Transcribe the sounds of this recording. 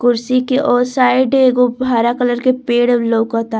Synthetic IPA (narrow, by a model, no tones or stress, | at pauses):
kʊɾsikeʔɔːsaːɪɖeɡobʱaːɾakələɾkepeːɽloːkɐt̪a